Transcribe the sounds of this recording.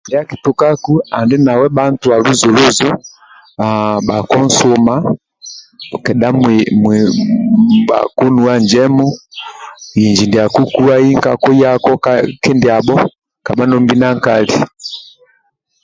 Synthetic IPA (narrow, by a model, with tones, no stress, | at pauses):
ndi˨a˦ki˨tu˨ka˦ku˦a˨ndi˦na˨wɛ˦ɓa˦n̩˦tu˨a˨lu˦zu˨lu˦zu˦ | aɓa˨kɔ˦n̩˦su˦ma˦ | kɛ˨da˦mm | ba̰˨ku˦nu˨a˦ɲd͡ʒɛ˦mu˦ | ji˨ɲd͡ʒi˨ndi˨a˨ku˦ku˦a˦i˦ŋka˨ku˦ja˦kɔ˦kakɛ˦ndi˨a˨ɓɔ˦ | ka˨ɓa˦nɔ˦mbi˦na˦ŋkali˨